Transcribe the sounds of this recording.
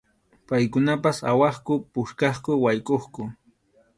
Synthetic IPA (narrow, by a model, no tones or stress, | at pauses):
pajkʊnapasa̰wɑχkʊpʊʃkɑχkʊwajkʼoχkʊ